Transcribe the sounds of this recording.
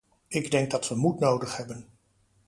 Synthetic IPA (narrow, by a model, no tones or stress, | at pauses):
ɪɡdɛŋɡ̚dɑtʋəmutnowdəχhɛbən